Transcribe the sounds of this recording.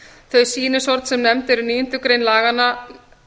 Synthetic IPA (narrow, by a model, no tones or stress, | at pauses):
θœɥsiːnɪsɔɾt̪sɛmnɛmt̪ɛɾʏniːjʏnt̪ʏkɾejnlaːɣanːa